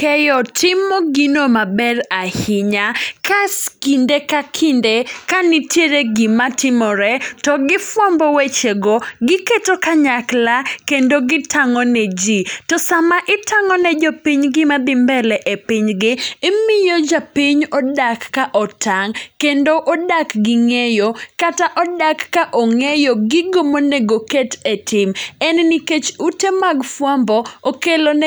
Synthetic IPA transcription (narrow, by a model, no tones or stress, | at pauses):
kɛjɔtʰɪmɔɡinomabɛɾahɪɲakaskindekakʰindekanitjeɾeɡɪmatɪmɔɾɛtɔɡɪfwɔmbɔwet͡ʃeɡoɡɪketokaɲaklakendoɡɪtʰaŋɔnɛd͡ʒitɔsamaʔɪtaŋɔnɛd͡ʒɔpiɲɡɪmad̪ɪmbɛlɛʔepɪɲɡɪːmɪjod͡ʒapiɲɔdakːaʔɔtʰaŋkendoʔodakɡɪŋejokataʔɔdakːaʔɔŋejoɡɪɡomoneɡoketetɪmɛnniket͡ʃutemaɡfwambɔokelon